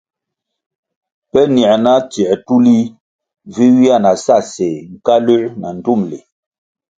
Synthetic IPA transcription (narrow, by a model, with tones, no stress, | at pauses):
pɛ˦ni˨ɛ˨na˦ti˨ɛ˨tu˦li˦ | vi˦wi˦a˦˨na˨sa˦˨sɛ˨ŋ̩˨ka˦lʉ˦ʔna˨n̩˨tu˦˨mle˨